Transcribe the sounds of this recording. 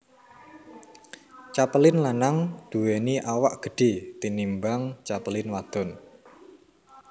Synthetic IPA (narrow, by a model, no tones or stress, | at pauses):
t͡ʃapəlɪnlanaŋd̪̥uweniʔawaʔɡ̥ə̤ɖ̥i̤t̪inimbaŋt͡ʃapəlɪnwad̪̥ɔ̤n